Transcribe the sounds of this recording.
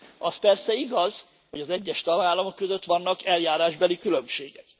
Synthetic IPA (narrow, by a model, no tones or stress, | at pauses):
ɒspɛrsɛiɡɒz̥ | ho̞ɟɒzɛɟːɛʃt̪ɒɡaːlːɒmo̞kːøzøt̪ʋɒnːɒkɛljaːɾaːʒbɛlikylø̞mʃeːɡɛk̚